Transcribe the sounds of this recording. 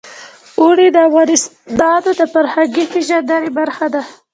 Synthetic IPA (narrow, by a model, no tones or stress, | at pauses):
uɽid̪əavɣɑnɪs | d̪ɑd̪od̪əpaɾhaɡifɪʒad̪aɾibaɾxad̪a